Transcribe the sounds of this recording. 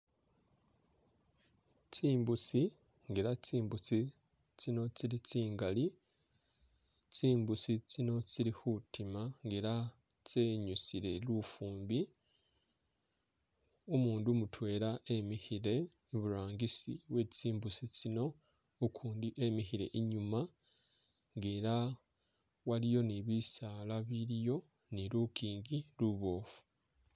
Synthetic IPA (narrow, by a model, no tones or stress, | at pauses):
t͡siːmbut͡si | ŋɡeɾat͡siːmbut͡si | t͡sino̞t͡siɾit͡siːŋɡali | t͡siːmbut͡sit͡sino̞t͡siɾihutimaŋɡeɾa | t͡se̞ɲusiɾe̞lufuːmbi | omuːndumutwe̞ːɾaʔe̞mihiɾe̞ː | βuɾaːŋɡisḭβwe̞t͡siːmbusit͡sino̞ | ukʰuːndiʔe̞miɦiɾe̞̰ʔiɲuma | ŋɡeːɾa | walijo̞niβisalaβiɾijo̞ | niɾukiːŋɡiluβo̞ːfu̥